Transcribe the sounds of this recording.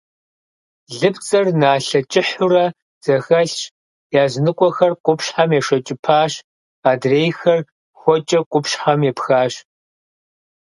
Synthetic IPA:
ɮɨpt͡sʼɐrnaːɬɐt͡ʃʼɪħʊrɐ | z̥ɐxɐɬɕ | jaːznɨkʷʼɔxɐrqʷʼʊpɕħamjɛʂɐt͡ʃʼɪpʰaːɕ | aːdreːjxɐr | xʷɔt͡ʃʼɐqʷʼʊpɕħamjɛpxaːɕ

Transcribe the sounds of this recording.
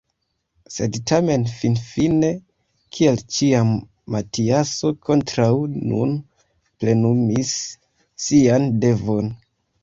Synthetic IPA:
se̞dtʰame̞nfinfine̞ | kʰielt͡ʃia | matiaso̞kʰo̞ntɾawnṵn | ple̞numisː | iande̞vo̞n

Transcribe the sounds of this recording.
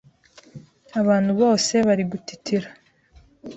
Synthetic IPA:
aβaːn̥huβo̞ːse̞βaɾiɡutitiɾa

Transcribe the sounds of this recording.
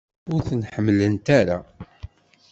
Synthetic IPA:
ʊɾθənħəmːlənt̪aɾa

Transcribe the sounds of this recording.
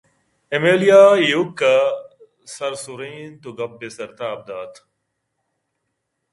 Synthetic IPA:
emeːlijaːjukːa | sɐɾsuɾeːnt̪uɡɐp̚ːesɐɾt̪aːb̚d̪aːt̪

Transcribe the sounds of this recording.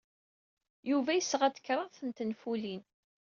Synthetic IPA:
juvæjəsːʁæd̪ə̥kːɾˤəðˤθənt̪ənfulin

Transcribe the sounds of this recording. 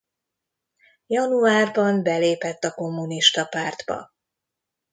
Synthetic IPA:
jɒnuaːrbɒmbɛleːpɛt̪ːɒko̞mːuniʃt̪ɒpaːrd̪bɒ̰

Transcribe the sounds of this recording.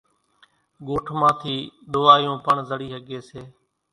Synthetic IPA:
ɠoːʈʰmãːt̪ʰiːɗ̪oːʋaːjõːpəɳzəɽiːɦəɠeːseː

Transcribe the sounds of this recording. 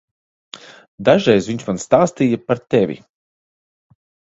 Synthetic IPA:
d̪aʒɾɛjzviɲt͡ʃmanst̪aːst̪iːjapaɾt̪ɛvʲḭ

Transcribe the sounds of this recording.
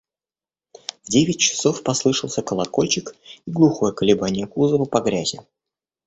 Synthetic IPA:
vdʲevʲɪt̚ʲt͡ɕɪ̥so̞fpɐslˠɨʂəlˠsʲəkəlˠɐko̞lʲt͡ɕɪkiɡlˠʊxo̞jəkəlʲɪbanʲɪjəkuzəvəpɐɡɾʲæzʲɪ

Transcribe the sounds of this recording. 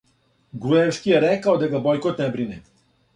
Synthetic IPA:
ɡɾuɛfskijɛɾɛkaɔd̪aɡabɔjkɔt̪nɛbɾinɛ

